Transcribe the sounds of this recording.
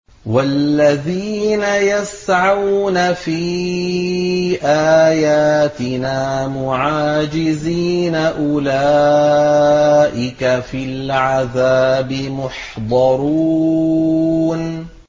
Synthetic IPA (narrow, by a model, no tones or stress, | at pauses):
wallːaðiːnajasʕawnafiː | ʔaːjaːt̪ɪnaːmʊʕaːd͡ʒɪziːnaʔʊla | ʔɪkafilʕaðaːbɪmʊħd̪ˤɑɾˤu | n